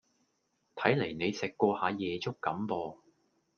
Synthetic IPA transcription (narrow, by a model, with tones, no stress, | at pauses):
t̪ʰɐ˨˥jle˨˩jne˨˧jsɪ˨kːʷɔː˧haː˨˧jɛː˨t͡sʊ˥kːɐ˨˥mpɔː˧